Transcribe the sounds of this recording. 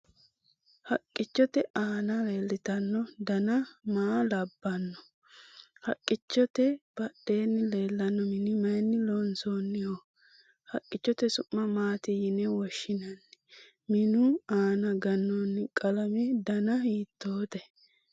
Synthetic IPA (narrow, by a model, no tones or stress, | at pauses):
hɐkʼːɪt͡ʃːɔt̪ɛaːnɐle̞ːlːɪt̪ɐnːɔd̪ɐnɐmaːlɐbːɐnːɔ̥ | hɐkʼːɪt͡ʃːɔt̪ɛb̥ɐɗe̞ːnːɪle̞ːlːɐnːɔmɪnɪmɐjnːɪlonsoːnːɪhɔ | hɐkʼːɪt͡ʃːɔt̪ɛsʊmːɐmaːt̪ɪjɪnɛwɔʃːɪnɐnːɛ | mɪnʊaːnɐɡɐnːonːɪkʼɐlɐmɛd̪ɐnɐhiːt̪ːoːt̪ɛ